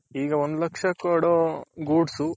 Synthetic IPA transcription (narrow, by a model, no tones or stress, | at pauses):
iːɡɐʋond̪ulɐkʂɐkːɐɽoːɡuːɖsu